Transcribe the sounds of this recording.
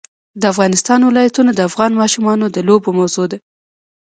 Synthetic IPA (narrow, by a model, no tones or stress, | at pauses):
d̪əafɣɑnɪst̪ɑnwɪlɑjat̪unod̪əafɣɑnmɑʃumɑnod̪əlobomawzod̪e